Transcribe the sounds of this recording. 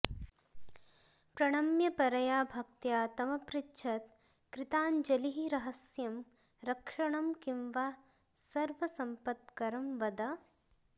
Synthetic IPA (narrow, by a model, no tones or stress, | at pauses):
pɾɐɳ̃ɐmjɐpɐɾɐjaːbʱɐk̚t̪jaːt̪ɐmɐpɾitːʃʰɐt̪ | kɾɪt̪aːnd͡ʒɐliɦiɾɐɦɐsjɐm | ɾɐkʂɐɳɐmkimʋaː | sɐɾʋɐsɐmpɐt̪kɐɾɐmʋɐd̪ɐ